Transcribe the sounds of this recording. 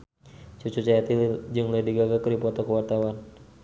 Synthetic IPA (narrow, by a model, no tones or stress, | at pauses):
t͡ʃut͡ʃut͡ʃajat̪id͡ʒɨŋlədiɡaɡakədipɔt̪ɔkəwart̪awan